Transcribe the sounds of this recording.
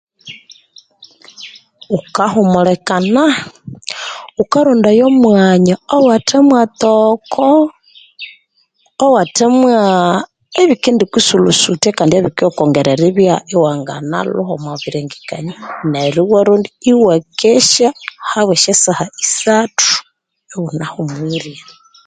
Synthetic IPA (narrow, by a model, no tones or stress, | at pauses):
ukahumulekana | ukaɾundajomwaɲaowatemwat̪okʰɔ | watemwa | eβikindikisulusutekandieβikiokoŋɡeɾeɾiβjaʔiwaŋɡa̰na̰luhomwaβiɾeŋɡikaɲineɾiwaɾundiiwekeʃahaβweʃesahaisatʰu̥ | ewunahumwiɾja